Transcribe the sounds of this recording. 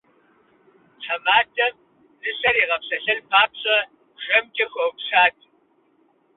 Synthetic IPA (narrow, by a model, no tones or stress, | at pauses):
t͡sʰɐmaːdʰɐm | zɨɕɐɾiːʁɐpɕɐɬɐlpʰaːpɕʼɐ | ʒ̥ɐmkʲʼɐxʷɐwpʂaːtʰʼ